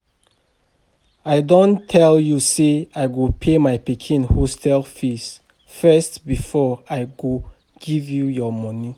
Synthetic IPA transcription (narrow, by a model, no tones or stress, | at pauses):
aɪdɔ̃ntʰɛljuseajɡupʰemajpikʰĩnhostʰɛlfis | fɛstbifɔajɡo | ɡ̥ivjujɔmɔ̃ni